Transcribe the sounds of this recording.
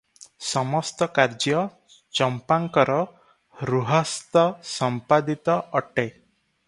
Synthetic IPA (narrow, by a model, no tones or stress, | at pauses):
sɔmɔst̪ɔkaɾd͡ʒjɔ | t͡ʃɔmpaŋkɔɾɔ | ɾuɦɔst̪ɔsɔmpad̪it̪ɔʔːʈe